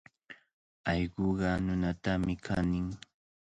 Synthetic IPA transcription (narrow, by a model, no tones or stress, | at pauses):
ɑʎɢoɢɑnʊnat̪amɪkʰanɪŋ